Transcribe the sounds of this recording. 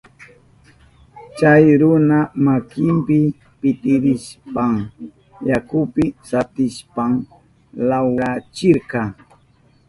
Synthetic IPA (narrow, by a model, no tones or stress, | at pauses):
t͡ʃajɾʊnamakɪmpɪ | pɪt̪ɪɾɪʃpaŋ | jakʊpɪsat̪ɪʃpaŋ | lawɢat͡ʃɪɾkɑ